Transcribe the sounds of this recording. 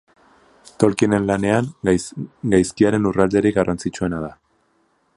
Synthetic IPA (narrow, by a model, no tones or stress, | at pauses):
t̪o̞lkiene̞nlane̞aŋ | ɡajskiaɾe̞nurald̪e̞ɾiɡarant͡sit͡ʃue̞naða